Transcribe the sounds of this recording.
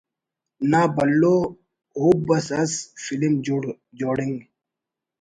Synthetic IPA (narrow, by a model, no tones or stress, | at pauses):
naːbɐlːoː | ɦub̚bɐsɐsfilim | d͡ʑoːɽiŋɡ